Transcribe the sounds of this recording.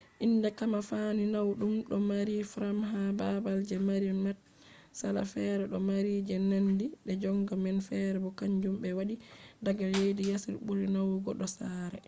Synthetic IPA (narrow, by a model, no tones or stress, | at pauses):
ʔindɛkamafaninawɗumɗɔmaɾifɾamɦababald͡ʒɛmaɾimɛt̚ | sala̰fɛɾɛɗɔmaɾid͡ʒɛnandiɗɛd͡ʒɔŋɡamɛnfɛɾɛbɔkaɲd͡ʒumbɛwaɗidaɡalejdijasilbuɾinawɡɔɗɔsaːɾɛ